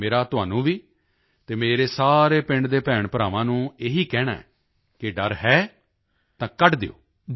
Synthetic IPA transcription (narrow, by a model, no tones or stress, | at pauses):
meːɾaːt̪ʊɦaːnũːʋiː | t̪eːmeːɾeːsaːɾeːpɪ̃ɳɖd̪eːpɛːɳpəɾaːʋãːnũːeːɦiːkɛːɽa̰ːɛ̰ː | kɪɖəɾɦɛː | t̪ãːkəʈd̪ḛːo̰ː